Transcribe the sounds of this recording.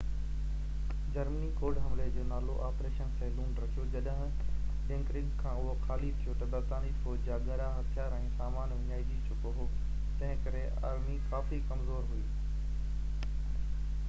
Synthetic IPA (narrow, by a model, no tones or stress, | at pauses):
d͡ʑɐɾmənikʰoːɖɦɐmled͡ʑoːnaːloʔaːpɾeːʃənsẽːlũːɳɖɾɐkʰijod͡ʑɐɗɦɪ̃ | ɪ̃ŋkɾɪ̃ɡkʰãːʊɦoxʰaːlit̪ʰijot̪ɐbɐɾt̪aːnifoːd͡ʑd͡ʑaːɡɐɾaɦɐt̪ʰjaːɾɛ̃ːsaːmaːnʋɐɲaːid͡ʑit͡ɕʰʊkoɦo | t̪ɐ̃ɦɪ̃kɐɾe | a̰ːɾmikaːfikɐmzoːɾɦʊiː